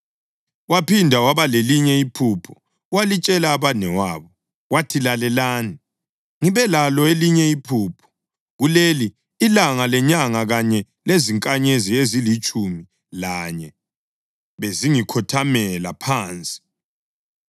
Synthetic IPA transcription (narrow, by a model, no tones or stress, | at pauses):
wapindʱawaβaleliɲɛipʰupʰɔ̥ | walit͡ʃʼɛlaːβanɛwaːβɔ | watʰilalɛlaːni | ŋiβɛlalɔeliɲɛipʰuːpʰɔ̥ | ɣuleliː | laŋalɛɲaŋaɣaɲɛ | leziŋkʼaɲeziezilit͡ʃʼumi | laɲɛ | βeziŋikʰɔtʰamɛlapʰaːnt͡sʼi̥